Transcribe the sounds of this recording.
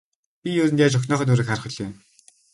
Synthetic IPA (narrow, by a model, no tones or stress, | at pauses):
pʲijɵɾɘ̆nt̪jaːt͡ɕɔxnɔːχœːnuɾɘ̆ːkχaɾχɵ̆ɮ̆ʊn